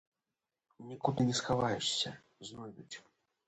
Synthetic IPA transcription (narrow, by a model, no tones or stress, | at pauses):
nʲikut̪ɨnʲɛsxavajuʂsʲɐ | znɔjd̪ʲut͡sʲ